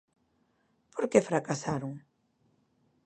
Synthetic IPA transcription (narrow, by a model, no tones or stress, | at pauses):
pʰoɾkefɾakasaɾʊŋ